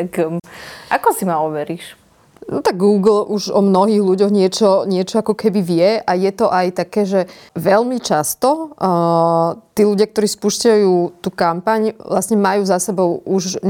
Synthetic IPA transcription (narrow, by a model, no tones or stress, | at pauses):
ak | ʔakɔsimaɔʋɛɾiːʃ | nɔt̪aɡːuːɡl̩ʔuʒɔmnɔɦiːɣluɟɔɣɲɪɛt͡ʃɔɲɪɛt͡ʃɔakɔkɛbiʋɪɛʔajɛt̪ɔʔajt̪akɛːʒɛʋɛlmit͡ʃast̪ɔ | t̪iːluɟɪakt̪ɔɾiːspuʃcajuːt̪uːkampaɲʋlasɲɛmajuːzasɛbɔʊuʒ